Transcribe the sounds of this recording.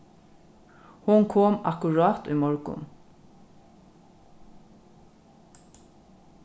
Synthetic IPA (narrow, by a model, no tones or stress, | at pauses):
hʊŋkʰoːma̰kʊɹɑːt̪ʊ̰jmɔɹkʊ̰n